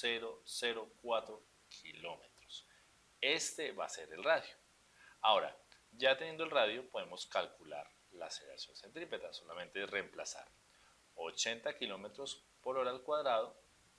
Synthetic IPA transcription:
seɾose̞ɾo̞kwat̪ɾo | kʰilo̞met̪ɾos | e̞st̪e̞βa̰se̞ɾe̞lraðjo | ao̞ɾa̰ | d͡ʒat̪enje̞nd̪olraðjo̞po̞ðe̞mo̞skalkula̰ɾ | la̰seeɾa̰sjo̞nsent̪ɾipet̪aso̞lamẽ̞nt̪eremplasa̰ɾ | ot͡ʃe̞nt̪akilo̞met̪ɾo̞s | po̞ɾo̞ɾalkwaðɾað̞o̞

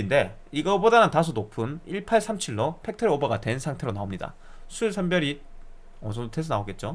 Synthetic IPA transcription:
inde̞ | iɡʌbodanɯntasʰunopʰɯniɭpʰaɭsʰamt͡ɕʰiɭːʌpʰe̞k̚tʰɯɾiobaɡadwe̞nsʰaŋtʰe̞ɾonaomɲida̰ | sʰuɭsʰʌmbjʌɾi | ʌsʰʌdotʰesʰʌnaoɡe̞t̚t͡ɕ͈o

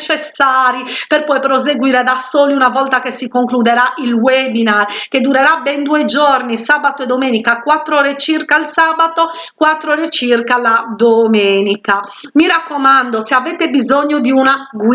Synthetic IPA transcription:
t͡ʃɛsːaːɾipɛrpɔjpɾɔzeɡwiːɾɛd̪asoːliunavɔlt̪akesikoŋklud̪ɛɾaʔilwebinarked̪uɾɛɾabɛnd̪uːɛd͡ʒornisaːbat̪oɛd̪ːomeːnikakwat̪ːɾɔːɾɛt͡ʃirkalsaːbat̪ɔkwat̪ːɾɔːɾet͡ʃirkalad̪omeːnikamiɾakːɔmand̪ɔseavɛt̪ebizoɲːud̪iunaɡ

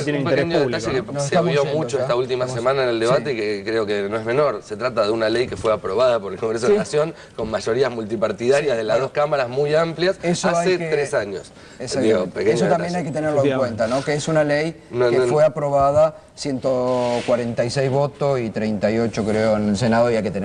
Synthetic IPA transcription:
espekeɲoðet̪aʃekenoseaβjomut͡ʃoet̪ault̪imasemãnaeneld̪eβaeikekɾeokenoezmẽno̞ɾset̪ɾat̪aðeunalejkefweapɾoβaðapo̞ɾelkoŋɡɾes̬oðeeasjo̞ŋ | konmaʒo̞ɾiazmult̪ipaɾt̪iðaɾjazðelaðohkamaɾazmujampljasesoasajet̪ɾesaɲos | esakd̪iɣopekees̬ot̪ambjenajket̪eneɾloeŋkwent̪anokeesunalej | nkefweapɾo̞βað̞a | sjent̪okwaɾent̪ajsɛjzβo̞t̪oit̪ɾejnt̪ajo̞t͡ʃokɾeoenelsenaðoiajket̪en

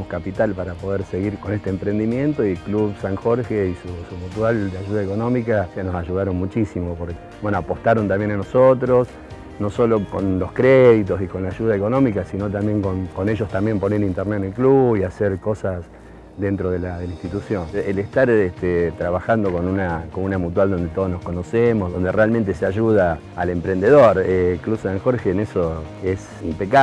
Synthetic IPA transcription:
moskapit̪alpaɾapo̞ðeɾseɣiɾko̞ne̞st̪empɾe̞nd̪imjẽ̞nt̪o̞iekluβsaŋxo̞ɾxeisusumut̪wald̪eaʒuðaeko̞nõ̞mikasno̞saʒuð̞aɾo̞nmut͡ʃisimopo̞ɾk | wenoapo̞st̪aɾo̞nt̪ambje̞nanosot̪ɾos | no̞so̞lo̞ko̰nlo̞skɾeðit̪o̞sikonlaʒuðaeko̞nõ̞mikasino̞t̪̬ambje̞ŋkonko̞ne̞ʒo̞st̪ambjempo̞neɾint̪eɾnenelkluβiaseɾko̞sas | ðe̞nt̪ɾoðelaðelaĩnst̪it̪usjo̞nelest̪aɾet̪et̪ɾaβaxand̪o̞ko̞nunakonunamut̪̬wald̪o̞nd̪et̪o̞ð̞oznohko̞nosemozðo̞nd̪erealment̪eseaʒuð̞aː | le̞mpɾend̪eðoɾeklusaŋxo̞ɾxeːnesoes | impeka

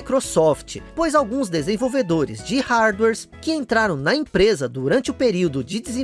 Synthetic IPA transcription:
kɾosɔft͡ʃɪpojzawɡũzd̪ezẽvowved̪oɾɪ̰zd͡ʒɪhaɾd̪wɛɾskɪẽnt̪ɾaɾɐ̃w̃nɐẽpɾezɐd̪uɾɐ̃nt͡ʃɪʊpeɾiwd̪ʊd͡ʒɪd̪ɪzẽ

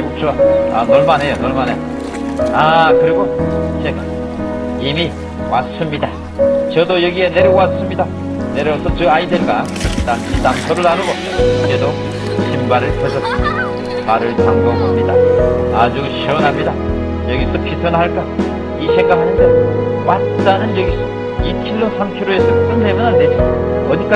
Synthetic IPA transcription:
ok̚t͡ɕ͈oaanoɭmanɦe̞jonʌɭmanejo | akɯɾiɡot͡ɕʰeŋa | imi | was͈ɯmɲida | t͡ɕʌdojʌɡie̞ne̞ɾʌɡowas͈ɯmɲida | ne̞ɾʌosʰʌt͡ɕɯaidweɭk͈a | tamitamsʰʌɾɯɭaɾobʌ | ɾedo | ɕʰimbaɾɯɭkʰʌsʰʌs͈ɯmɲida | maɾɯɭt͡ɕaŋɡʌŋɦamɲidaad͡ʑuɕʰʌnɦamɲida | jʌɡiopʰisʰʌnɦaɭk͈a | iɕʰeŋɡaɦaɲidawat͈anɯnjʌɡisʰʌ | ikʰiɭːosʰamkʰiɾoesʰʌkɯnnebʌnandeʌʌdik͈a

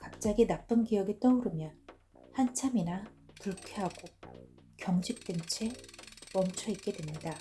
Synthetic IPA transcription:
kap̚t͡ɕ͈aɡinap̚p͈ɯnɡijʌɡit͈ʌuɾɯmjʌn | hant͡ɕʰamina | tɯɭkʰeɦaɡ̥o | kjʌŋd͡ʑʰik̚t͈went͡ɕʰe̞mʌmt͡ɕʰʌit̚k͈e̞dwemɲida

